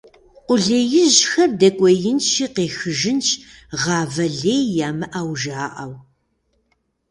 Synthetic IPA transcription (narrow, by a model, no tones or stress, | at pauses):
ʔʷʊɮeːjɪʑxɐrdɐkʷʼɔjɪnʃʰiːqeːxɨʒɪnt͡ʃʰʼ | ʁɑːvɐɮeːjaːmɨʔaːwʒaːʔɐ̰w